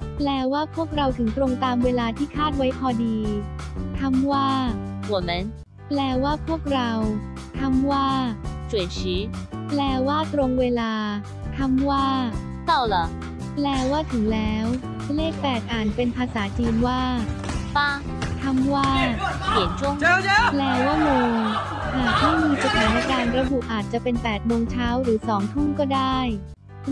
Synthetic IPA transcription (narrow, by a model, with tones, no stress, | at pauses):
plɛː˧waː˥˩pʰu˥˩ək̚ɾa˧wt̪ʰɯ˩˦ŋt̪ɾo˧ŋt̪aː˧mweː˧laː˧t̪ʰiː˥˩kʰaː˥˩t̪̚wa˦˥jpʰɔː˧diː˧t̪ʰa˧˥mwaː˥˩wɔ˨˩˦me˨˧˦n | plɛː˧˩waː˥˩pʰu˥˩ək̚ɾa˧w | t̪ʰa˧˥mwaː˥˩t͡ɕu˨˩ət͡ɕʰɯː˦˥plɛː˧waː˥˩t̪ɾo˧ŋweː˧laː˧ | t̪ʰa˧˥mwaː˥˩ | sa˥˩wlə˨˦ | lɛː˧waː˥˩t̪ʰɯ˨˩˦lɛː˦˥w | leː˥˩k̚pɛː˨˩k̪̚ʔaː˨˩npe˧npʰaː˧saː˩˦t͡ɕiː˧nwaː˥˩pa˥˩ | t̪ʰa˧˥mwaː˥˩pʰi˨˩˦ənt͡ɕʰu˥˩ə˨ŋlɛː˧waː˥˩mɯː˧ | ʔaː˨˩t̪̚hɔː˥˩miː˧sa˧t̪ʰaː˩˦na˦˥˩kaː˧nɾa˧˥bu˨˩ʔʔaː˨˩t̪̚t͡ɕa˨˩pe˧npɛː˨˩t̪̚moː˧ŋt͡ɕʰaː˦˥wɾɯː˩˦sɔː˩˦ŋt̪ʰu˥˩nkɔː˥˩daː˥˩j